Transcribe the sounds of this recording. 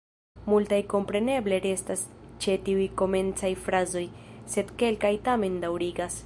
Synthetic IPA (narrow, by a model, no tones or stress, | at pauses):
multajko̞mpɾe̞ne̞ble̞ɾe̞stast͡ʃe̞tiujko̞me̞nt͡sajfɾazo̞jse̞dke̞lkajtame̞ndawɾiɡas